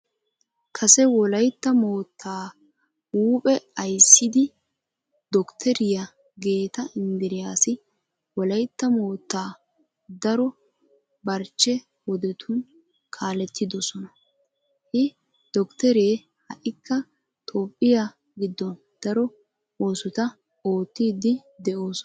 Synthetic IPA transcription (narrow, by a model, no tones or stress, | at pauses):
kʰɐsɛwɔlɐjt̪ːɐmo̞ːt̪ʰːaː | uːpʼɛɐjsːɪd̪ɪ | d̪ɔkt̪ʰɛɾɪjɐ | ɡe̞ːt̪ɐɪnd̪ɪɾɪjaːsɪ | wɔlɐjt̪ːɐmoːt̪ːaː | d̪ɐɾɔ | bɐɾt͡ʃːɛ | wɔd̪ɛt̪ʰʊn | kʰaːlɛt̪ʰːɪd̪ɔsɔnɐ | hɪ | d̪̥ɔkt̪ɛɾe̞ː | hɐ̰ʔɪkːɐ | t̪ʰʼo̞ːpʼːɪja | ɡɪd̪ːɔn | d̪̥ɐɾɔ | o̞ːsʊt̪ɐ | o̞ːt̪ːiːd̪ɪd̪ɛʔo̞ːsɔ